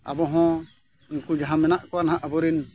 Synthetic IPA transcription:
a̰bɔɦɔ̃ | iŋkud͡ʒaɦãmɛnaʔkɔwanaɦãʔabɔɾin

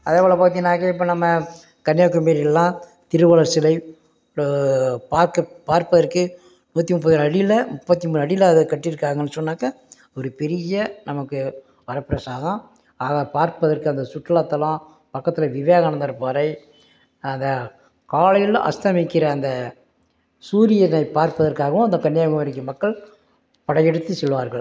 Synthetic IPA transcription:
ɐðeʋɐɭɐpaːt̪ɪnaːkːɐɪpːoːnɐmːɐ | kɐnjaːkːɯmeːɾɪlːãː | t̪ɪɾɯʋɐɭɐɾsɪlɐɪ | paːɾkɐpaːɾpɐðɐɾkɯ | nuːɐt̪ːimʊp̬ːɐðɯnɐɽɪlɐmʊpːɐt̪ːimuːnɐɽɪjlɐɐðɯkɐʈːɪɾɯkːaːŋɡɐɛnːɯsɔnːaːkɐ | ɔɾɯpɛɾɪjɐnɐmɐkːɯ | ʋɐɾɐpɪɾɐsaːɣɐ̃ | aːɣɐpaːɾpɐðɐɾkɯɐnd̪ɐsʊʈːɐlɐt̪ːɐlã | pɐkːɐt̪ːɪlɐʋɪʋeːɣɐɳɐnd̪ɐɾɯpːaːɾɐɪ | ɐnd̪ɐ | kaːlɐjɪlɐ̰̃ʔɐ̰st̪ɐmɪkːɪɾɐːnd̪ɐ | suːɾɪjɐnɐɪpːaːɾpɐðɐɾkaːɣɐʋʊ̃ɐnd̪ɐkɐɳːɪjaːɣɐmɐɾɪkːɯmɐkːɐɭ | pɐɽɐjɛɽɯt̪ːɯsɛɭːɯʋaːɾɣɐɭ

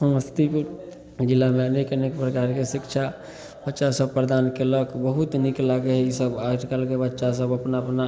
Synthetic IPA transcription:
səməst̪ʰip | d͡ʒilːameənekənekpɾəkaɾkesikt͡ʃʰa | bətːʃasəbpɾəd̪ankeləkbəɦut̪niklaɡeɦisəbaʈkalkebətːʃasəbəpnaəpna

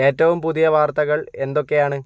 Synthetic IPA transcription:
e̞ːtːɐʋumpuðijɐʋaːrt̪ɐɣɐɭe̞nd̪o̞kːe̞jaːɳɨ

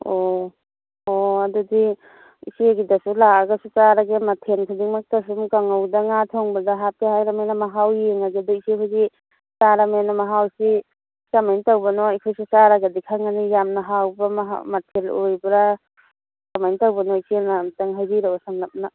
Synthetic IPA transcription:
o | oadudi | ḭsieɡidasulaaɡasusaɾaɡematʰenkʰadiŋmak̚tas̬umkaŋawdaŋatʰɔŋbadaɦap̚ehajɾamenamaɦawjeŋaɡedaisehʰuzi | saɾamenamaɦawsi | samajntawbanɔijkʰojsisaɾaɡadikʰaŋanijamnaɦawbamɦmatʰelojbɾa | samajnitawbanɔisinamtaŋɦajdiɾawasamlap̚na

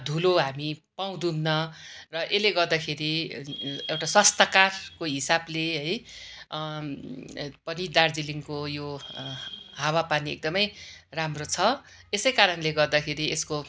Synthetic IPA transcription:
d̪ʱuloɦamipaw̃d̪unnʌrʌʔeleɡʌrd̪akʰeɾi | ewʈaswʌst̪ʌkarkoɦisableɦʌj | pʌnid̪ard͡ziliŋkojo | ɦawapaniḛk̚d̪ʌmʌjramrot͡sʰʌ | esʌjkaɾʌnleɡʌrd̪akʰeɾiesko

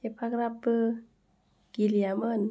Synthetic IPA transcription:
epaɡɾapə | ɡ̥iliamən

